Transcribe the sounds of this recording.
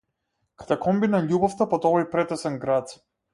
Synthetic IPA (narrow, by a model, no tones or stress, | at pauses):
kḁt̪ɛkʰɔmbinaʎʲubɔft̪apɔt̪ɔvɔjpɾɛt̪ɛsɛnɡɾat̪